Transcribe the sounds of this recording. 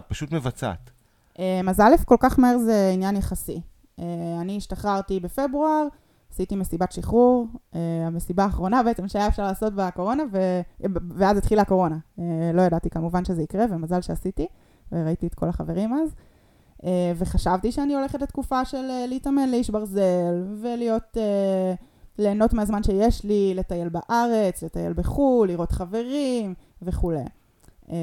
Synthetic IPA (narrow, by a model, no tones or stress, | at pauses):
t̚paʃutmevat͡sa̰t̪ | ʔemazalefko̞lkaχmaeʁzeinjanjeχasḭ | eaniːʃtaχaʁtibe̞fe̞bʁuaʁ | asitimesibatʃiχuʁeamesibaːχʁo̞nabe̞et͡se̞mʃeajaefʃaʁlaːso̞tbeko̞ʁo̞naveveazit̪χilako̞ʁo̞naelo̞jadat̪ikamuvanʃe̞zeikʁe̞vemazalʃeasiti | veʁaitiet̪ko̞̰laχave̞ʁimaz | eveχaʃavtiʃeanio̞le̞χetlet̪kufaʃe̞leleitame̞nleiʃbaʁze̞lvelijo̞te | le̞ːno̞tmeazmanʃe̞jeʃlile̞t̪aje̞lbaʔaʁet͡sle̞t̪aje̞̰lbeχulːiʁo̞tχave̞ʁimve̞χulḛ